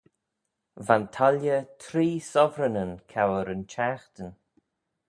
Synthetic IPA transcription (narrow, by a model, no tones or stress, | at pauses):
vantʰaljət̪ʰɾiːsɔvɾənənkʰawəɾənt͡ʃaːxt̪ən